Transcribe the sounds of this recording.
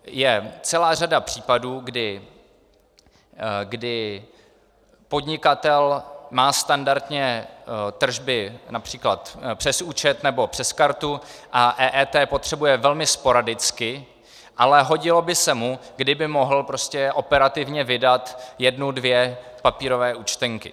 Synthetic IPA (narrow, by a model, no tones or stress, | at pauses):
jɛt͡sɛlaːr̝adapr̝̥iːpaduːɡdɪ | ɡdɪ | po̞dɲɪkat̪ɛlmaːst̪andaɾt̪ɲɛt̪r̩ʒbɪnapr̥iːklat̪pr̝̥ɛsuːt͡ʃɛt̪nɛbo̞pr̝̥ɛskaɾt̪uʔaʔɛːʔɛːt̪ɛːpo̞t̪r̥ɛbujɛvɛlmɪspo̞ɾadɪt͡skɪ | ʔalɛɦo̞ɟɪlo̞bɪsɛmuɡdɪbɪmoɦl̩pɾo̞scɛʔo̞pɛɾat̪ɪvɲɛvɪdat̪jɛdnudvjɛpapiːɾo̞vɛːuːt͡ʃt̪ɛŋkɪ